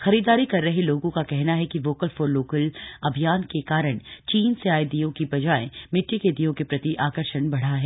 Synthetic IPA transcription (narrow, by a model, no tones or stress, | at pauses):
xɐɾiːd̪aːɾikɐɾːɐɦeloːɡõkakɛɦnaɦɛkiʋoːkəlfoːɾloːkəlɐbʱijaːnkekaːɾəɽ̃t͡ʃiːnseaːed̪ijõkibɐd͡ʒaːḛ̃mɪʈːiked̪ijõkepɾɐt̪iʔaːkəɾʃəɳbɐɽ̤aɦɛː